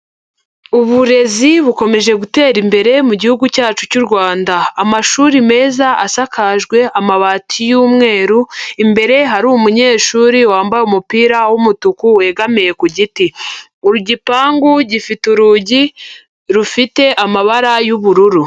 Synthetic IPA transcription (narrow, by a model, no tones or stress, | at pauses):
uβuɾe̞ziβuko̞me̞ʒe̞ɡute̞ːɾimbe̞ɾe̞muɟihuɡucaːt͡ʃucuɾɡwaːndaːmaʃuːɾime̞ːzaʔasakʰaʒɡwe̞ʔamaβatʰijuːmŋe̞ːɾuimbe̞ɾe̞ɦaɾuumuɲe̞ːʃuːɾiwaːmbajeumupiːɾawumutukuwe̞ɡamije̞kuɟiti | uɾuɟipaːŋɡuɟifituɾuɟi | ɾufite̞ʔamaβaɾajuβuɾuɾu